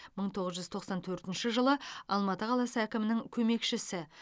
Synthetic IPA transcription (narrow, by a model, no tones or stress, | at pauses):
məɴt̪ʰo̞ʁəzʒʏzt̪ʰo̞qsɑnt̪ʰɵɾt̪ɪnʃɪʒəlˠəɑlˠmɑt̪əqʰɑlˠɑsəækʲɪmɪnɪŋkʲʰɵme̞kʃɪsɪ